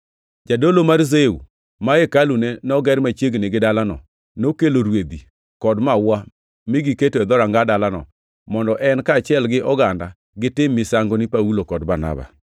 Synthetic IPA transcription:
d͡ʒadolomaɾzeṵ | maekalunenɔɡɛɾmat͡ʃjeɡnɪɡɪdalanɔ̰ | nokeloɾwed̪i | kɔdmawa | mɪɡɪketoɛd̪ɔɾaŋɡadalanɔ̰ | mɔndɔʔɛnkaːt͡ʃɪɛlɡɪʔɔɡanda | ɡɪtɪmːɪsaŋɡonɪpaulokɔdbana̰ba̰

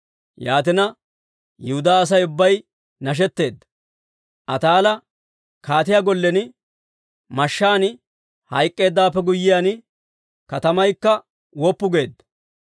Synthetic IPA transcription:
jaːt̪ɪnɐ | jʊhʊd̪aːs̬ɐjʊbːɐj | nɐʃ̬ɛt̪ːe̞ːd̪ːɐ̥ | ʔɐt̪aːlɐ | kaːt̪ɪjaɡɔlːɛnɪ | mɐʃːaːn | hɐjkʼːe̞ːd̪ːaːpːɛɡʊjːɪjaːn | kɐt̪ɐmɐjkːɐ | wɔpːʊɡe̞ːd̪ːɐ̥

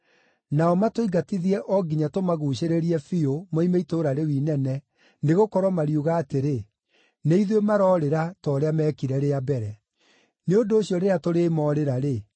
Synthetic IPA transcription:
naɔmatoiɡatiðiɛʔɔɡiɲatomaɣuːɕeɾeɾiɛfiomoimeitoːɾaɾewiːnɛnɛ | neɣokɔɾwamaɾiuɣaːteɾe | neiðwemaɾɔːɾeɾatɔːɾeamɛːkiɾɛɾeabɛɾɛ | neondoːɕijɔɾeeatoɾeːmɔːɾeɾaɾe

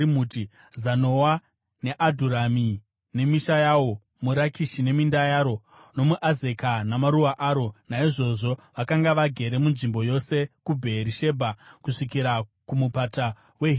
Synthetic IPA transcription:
imuːti | zano̞wa | ne̞ʔadʱuɾami | ne̞miʃajawo̞ | muɾakiʃine̞mindajaːɾo̞ | no̞muʔaze̞kanamaɾuwaʔaːɾo̞naiʐo̞ʐo̞ʋakaŋɡaʋaɡʱe̞ɾe̞munʐimbo̞jo̞se̞kubʱe̞ːɾiʃe̞bʱakuʂikiɾakumupata | we̞ɦi

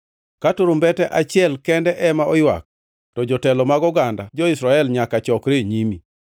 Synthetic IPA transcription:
katʊɾʊmbɛtɛʔat͡ʃɪɛlkɛndɛʔɛmaʔɔjwa̰k̚ | tɔd͡ʒɔtɛlɔmaɡɔɡandad͡ʒɔisɾaɛlɲakat͡ʃɔkɾeɲimi

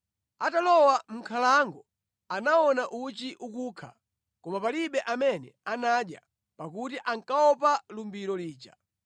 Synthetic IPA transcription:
atalɔwam̩kʰalaŋɡɔ | anaɔnaʔut͡ʃiʔukuːkʰa̰ | kɔmapaliɓɛʔamɛnɛanaɗja̰ | pakutiʔaŋkaɔpalumbiɾɔliːt͡ʃa

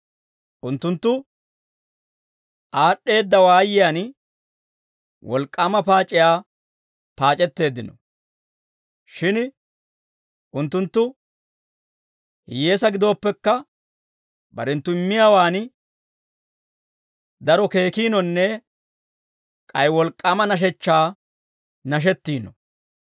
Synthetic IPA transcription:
ʔʊnt̪ːʊnt̪ːʊ | ʔaːɗːe̞ːd̪ːɐwaːjɪjaːn | wʔɔlkʼːaːmɐpaːt͡ʃʼɪjaː | paːt͡ʃʼɛt̪ːe̞ːd̪ːɪnɔ̰ | ʃɪn | ʔʊnt̪ːʊnt̪ːʊ | hɪje̞ːsɐɡɪd̪o̞ːpːɛkːɐ | bɐ̰ɾɛnt̪ːʊɪmːɪjaːwaːn | d̪ɐɾɔke̞ːkiːnɔnːɛ | kʼɐjwɔlkʼːaːmɐnɐʃ̬ɛt͡ʃːaː | nɐʃ̬ɛt̪ːiːnɔ

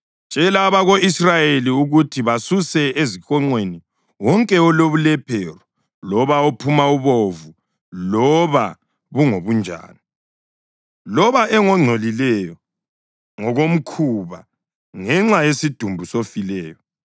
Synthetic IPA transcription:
t͡ʃʼɛlaβaɣoisrajeliuɣutʰiβasusɛezikɔŋ͡ǀweni | wɔŋkʼɛɔloβulɛpʰɛrɔ | lɔβaopʰumauβovu | lɔβa | βuŋoβund͡ʒʱa̰ːni | lɔβaʔɛŋɔŋ͡ǀʱolilɛjɔ | ŋɔɣom̩kʰuβa̰ | ŋɛŋ͡ǁajesid̥ʱumbʱusofilɛːjɔ

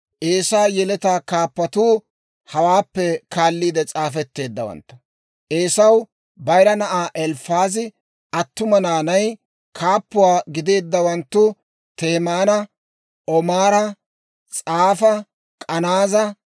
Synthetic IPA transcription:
ʔe̞ːsaːjɛlɛt̪aːkaːpːɐt̪uː | hɐwaːpːɛkaːlːiːd̪ɛt͡sʼaːfɛt̪ːe̞ːd̪ːɐwɐ̰nt̪ːɐ̥ | ʔeːsɐw | bɐjɾɐnɐʔaːʔɛlfaːzɪ | ɐt̪ːʊmɐnaːnɐj | kʰaːpːʊwaːɡɪd̪e̞ːd̪ːɐwɐnt̪ːʊ | t̪e̞ːmaːnɐ | ʔɔmaːɾɐ | t͡sʼaːfɐ | kʼɐnaːzɐ

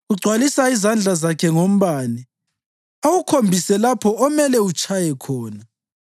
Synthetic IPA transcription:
uɡ͡ǀʱwalisaizand͡ɮʱazakʰɛŋom̩βaːni | awukʰombʱisɛlapʰɔːmɛlɛut͡ʃʰʼajɛkʰɔːna

